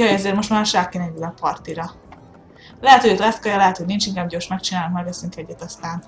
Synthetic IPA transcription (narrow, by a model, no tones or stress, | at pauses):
ɒjɛzeːrmo̞ʃt̪maːrʃaːkːinɛɲid̪ɛpɒrt̪iɾɒ | lɛɦɛt̪hot̪lɛskɒjɒlɛɦɛt̪ho̞ɟnint͡ʃiŋkaːbɟoːrʃmɛk̚t͡ʃinaːlukmɛɡɛsiŋk̪ɛɟːɛt̪ɒst̪aːn